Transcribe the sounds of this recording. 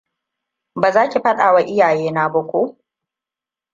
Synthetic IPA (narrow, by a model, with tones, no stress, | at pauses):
baː˨zaː˦kʲi˨ɸɐ˦ɗaː˨wa˦ʔɪ˦jaː˨jeː˦naː˦bɐ˦kʷo˦